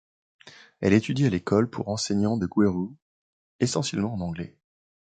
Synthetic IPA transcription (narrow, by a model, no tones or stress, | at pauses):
ɛ̰let̪yd̪ialekʰɔlpʰṵʁɑ̃seɲɑ̃d̪əɡweʁu | esɑ̃sjɛlmɑ̃ɑ̃nɑ̃ɡlɛ